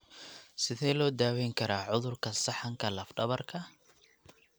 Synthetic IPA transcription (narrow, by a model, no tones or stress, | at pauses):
sɪðɛjlɔːd̪aːwɛjŋkʰɐɾaːʕʊðʊrkʰɐsɑħɐŋkʰɐlɐfɖɐβɐrkʰɐ